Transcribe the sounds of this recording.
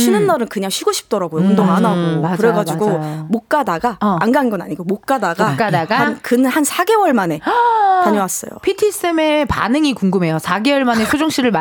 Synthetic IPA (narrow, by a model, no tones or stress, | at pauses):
ɕʰinɯnːaɾɯnkɯɲaŋɕʰiɡoɕʰi̥p̚t͈ʌɾaɡojoundoŋanaɡoakɯɾeɡad͡ʑiɡomok̚k͈adaɡaːnɡannɡʌna̰ɲiɡomok̚k͈adaɡak͈adaɡaankɯnɯnhansʰaɡe̞wʌɭmane̞taɲʌwas͈ʌ̰jo̰pʰitʰis͈emepa̰nɯŋikuŋɡɯme̞josʰaɡe̞wʌɭmane̞sʰod͡ʑoŋɕ͈ʰiɾɯɭm